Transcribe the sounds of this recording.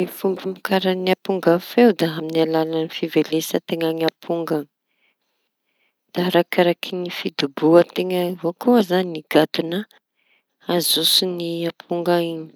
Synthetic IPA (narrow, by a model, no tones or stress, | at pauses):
efumbimikaɾəniapuŋɡafewd̪aaminialalanifivelesət̪eŋaŋiapʰuŋɡa | d̪̥aɾakaɾakʰinifid̪ubuət̪eŋəvokuəzaniniɡ̥at̪una | azusiniapʰuŋɡaiɲi̥